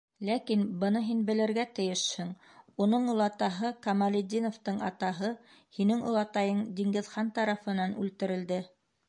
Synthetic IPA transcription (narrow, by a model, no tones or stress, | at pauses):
lækinbɤ̆nɤɦinbɘ̆lɘ̆ɾɡæt̪ɘ̆jɘʃhɘŋ | unɤɴulˠɑt̪ɑɦɤkɑmɑlʲɪd̪ʲinŏft̪ɤɴɑ̰t̪ɑɦɤ | hinɘŋulˠɑt̪ɑjɤɴd̪ʲiŋɡɘ̆ðχɑnt̪ɑɾɑfɤ̆nɑnʉ̰lt̪ɘ̆ɾɘ̆ld̪ɘ